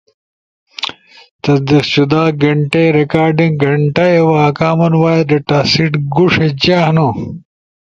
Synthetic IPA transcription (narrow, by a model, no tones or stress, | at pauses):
t̪ɐd̪ɐɕud̪aːɡɐɳʈejɾekaːɾɖiŋɡɐɳʈɐɐwɐɐkaːmɐnwaːjɐɾɐʈaːsiʈɡuʂed͡ʑaːhno